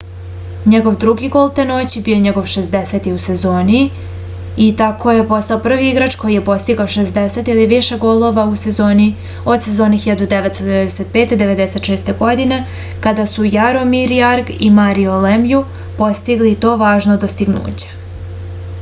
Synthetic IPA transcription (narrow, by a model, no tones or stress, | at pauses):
ɲeɡo̞ʋd̪ɾuɡiɡo̞ːlˠt̪eno̞t͡ɕibioɲeɡo̞ʋʃesd̪ese̞t̪iuse̞zo̞ːni | it̪akʰo̞jepo̞st̪aopr̩ʋiiɡɾat͡ʃko̞jije̞po̞st̪iɡaoʃezd̪eset̪iliʋiʃe̞ɡoːlˠo̞ʋausezo̞ːni | o̞d̪se̞zo̞ːnixiʎad̪ud̪eʋet̪st̪od̪eed̪eset̪̚peːt̪ed̪e̞ʋe̞d̪ese̞t̪ʃeːst̪e̞ɡo̞d̪ine̞ | kad̪asujaɾo̞miɾiaɾɡḭmaɾiolemju | po̞st̪iɡlit̪o̞ːʋaːʒnod̪ost̪iɡnṵːt͡ɕe̥